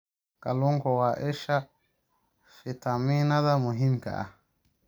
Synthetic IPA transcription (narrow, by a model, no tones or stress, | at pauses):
kaluŋkɔwaːʔɛʃa | fit̪aminad̪amʊɦimka̰ʔa̰